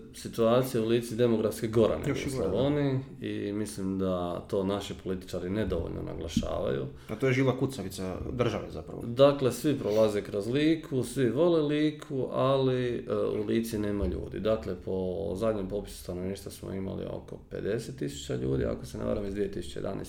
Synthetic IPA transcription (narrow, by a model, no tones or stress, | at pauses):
sit̪uaːt̪sijauliːt̪sid̪e̞mo̞ɡɾafskeɡo̞ɾa̰n̰josaoniḭmislimd̪at̪o̞ːnaʃipo̞lit̪i̥t͡ʃaɾined̪o̞ʋo̰ʎno̞̰nʔa̰ɡlˠaʃa̰ːʋa̰jṵ | at̪ojeʒiːlakut̪saʋit̪ad̪r̩ʒaʋezapɾa̰ʋod̪akle̞sʋipɾo̞lˠazekɾozliːkʰusʋiʋo̞leliːkʰuʔaliṵliːt̪sine̞ːmaʎṵːd̪ḭd̪akle̞pʰo̞zad̪ɲempo̞ːpi̥su̥st̪anoʋniːʃt̪ʋasmo̰ima̰lḭo̞̰ko̞pe̞̰d̪e̞set̪ːisu̥t͡ɕaʎṵːd̪ḭa̰kosenḛʋa̰ɾamizd̪ʋije̞t̪isu̥t͡ɕeed̪a̰nʔḛs